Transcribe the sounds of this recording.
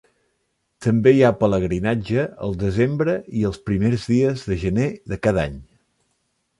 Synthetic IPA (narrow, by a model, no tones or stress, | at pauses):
t̪əmbejapələɣɾinad͡ʒəə̰lˠd̪əzembɾəiəlˠspɾimeɾzðiəzðəʒəneðəkaðaɲ